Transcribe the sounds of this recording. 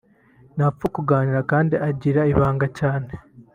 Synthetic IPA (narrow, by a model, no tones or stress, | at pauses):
nafukuɡaːniɾakaːndiʔaɟiɾaiβaːŋɡacaːne